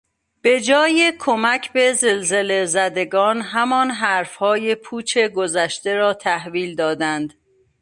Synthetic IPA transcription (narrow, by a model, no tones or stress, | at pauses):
b̥e̞d͡ʒɒːjekʰomæcʰbe̞ze̞lze̞le̞zæd̪e̞ɡɒːnɦæmɒːnɦæɾfhɒːjepʰuːt͡ʃʰe̞ɡozæʃt̪e̞ɾɒːt̪ʰæhviːld̪ɒːd̪ænd̪